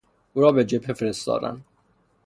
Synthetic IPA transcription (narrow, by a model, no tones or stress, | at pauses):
ʔuːɾɒːbed͡ʒephefeɾest̪ɒ̰ːd̪æ̰n